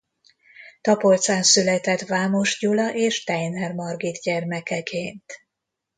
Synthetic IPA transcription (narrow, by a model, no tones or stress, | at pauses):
t̪ɒpo̞lt̪saːnsylɛt̪ɛt̪vaːmo̞ʃɟulɒʔeːʃt̪ɛjnɛrmɒrɡid̪ɟɛrmɛkɛkʰeːnt̪